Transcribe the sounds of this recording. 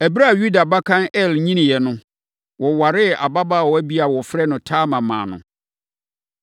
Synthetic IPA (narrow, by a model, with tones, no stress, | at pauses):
æ˨bi˦ɾa˦˨ju˦da˨ba˦kʰã˦nɛ˦˨lɲĩ˦nɪ̃˨jɛ˨nʊ̃˦ | wɔ˨wa˨ɾɪ˦a̰˨ba˦ba˦˨wɔ˨˦æ˦bi˦a˨wɔ˨fɾɛ˦nʊ̃˨tʰaː˦mã˨mã̰ː˨nʊ̰̃˨